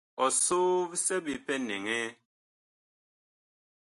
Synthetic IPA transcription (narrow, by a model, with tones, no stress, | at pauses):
ɔ˨so˦vsɛ˦bi˨pɛ˦ne˨ŋe˦